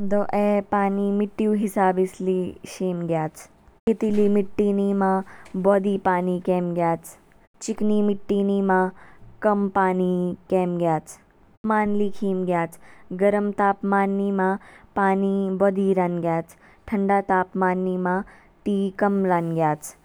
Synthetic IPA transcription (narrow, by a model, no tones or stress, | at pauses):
d̪oːʔeːpaːniːmɪʈːjũːɦɪsaːbisliʃeːmɡjaːt͡ʃ | ket̪iliːmɪʈːiniːmãːbɔːd̪iːpaːniːkeːmɡjaːt͡ʃ | t͡ʃikniːmɪʈːiːniːmãːkɐmpaːnikeːmɡjaːt͡ʃ | maːnliːkʰiːmɡjaːt͡ʃɡɐɾəmt̪aːpmaːnːiːmãːpaːniːbɔːd̪iːɾanɡjaːt͡ʃ | ʈʰəɳɖaːt̪aːpmaːnːiːmãː | ʈiːkɐmɾaːnɡjaːt͡ʃ